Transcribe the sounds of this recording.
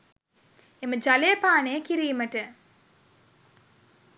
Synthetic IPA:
eməd͡ʒaleːpaːnejəkiɾijːməʈə

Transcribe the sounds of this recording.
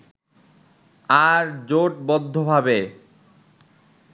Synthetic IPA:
aɾd͡ʑoʈ̚bɔd̪ʱːobʱabe

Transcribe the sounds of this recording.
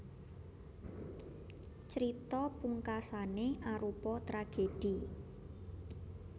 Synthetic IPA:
t͡ʃəɾit̪ɔpuŋkasaneʔaɾupɔt̪ɾaɡ̥ed̥i

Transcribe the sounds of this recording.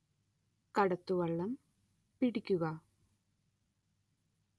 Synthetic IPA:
kɐɽɐt̪ːuʋɐɭːɐm | piɽikʲːuɣɐ

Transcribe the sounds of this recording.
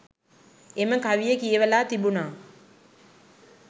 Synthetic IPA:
eməkaʋijəkijəʋəlaːt̪ibunaː

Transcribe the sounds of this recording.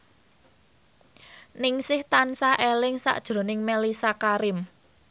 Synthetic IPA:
nɪŋsɪht̪ansaʔelɪŋsa̰ʔd̥ʒ̥ɾo̤nɪŋmelisakaɾɪm

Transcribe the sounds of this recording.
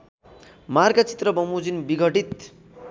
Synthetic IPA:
marɡʌt͡si̥t̪rʌbʌmud͡zinbiɡʱʌʈit̪

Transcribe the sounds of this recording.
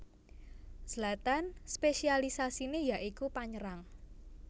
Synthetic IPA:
səlat̪anspeʃialisasinejaʔikupaɲəɾaŋ

